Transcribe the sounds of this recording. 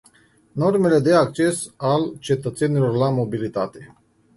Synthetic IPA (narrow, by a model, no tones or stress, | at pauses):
no̞rme̞le̞d̪e̞ak̚t͡ʃe̞salt͡ʃe̞t̪ət̪se̞nilo̞rlamo̞bilit̪at̪e̞